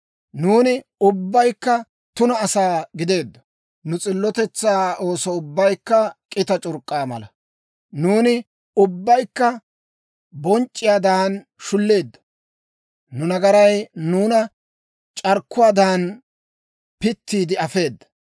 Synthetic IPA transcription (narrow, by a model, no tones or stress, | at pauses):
nuːnɪ | ʊbːɐjkːɐ | t̪ʊnɐːsaːɡɪd̪e̞ːd̪ːɐ̥ | nʊt͡sʼɪlːɔt̪ɛt͡sːaːo̞ːsɔʊbːɐjkːɐkʼɪt̪ɐt͡ʃʼʊɾkʼːaːmɐ̰lɐ | nuːnɪ | ʊbːɐjkːɐ | bɔnt͡ʃʼːɪjaːd̪aːn | ʃʊlːe̞ːd̪ːɐ̥ | nʊnɐɡɐɾɐjnuːnɐ | t͡ʃʼɐɾkːʊaːd̪aːn | pɪt̪ːiːd̪ɪɐfe̞ːd̪ːɐ̥